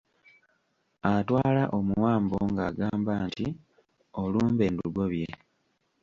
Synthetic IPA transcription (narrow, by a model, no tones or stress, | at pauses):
atwaːlaʔomuwaːmbo̞ŋɡaːɡaːmbaːnti | oluːmbe̞ːnduɡoβje